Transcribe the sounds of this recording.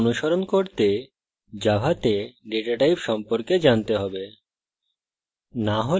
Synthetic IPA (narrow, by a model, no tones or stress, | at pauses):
nuʃoɾonkoɾt̪e | d͡ʑabʱat̪eɖeʈaʈajpʃɔmpoɾked͡ʑant̪eɦɔbe | naɦo